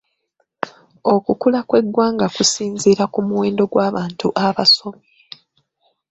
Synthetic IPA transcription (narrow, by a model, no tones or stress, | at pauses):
o̞kukulakwe̞ɡwaːŋɡakusiːnziːɾakumuwe̞ːndo̞ɡwaːβaːntuʔaβaso̞me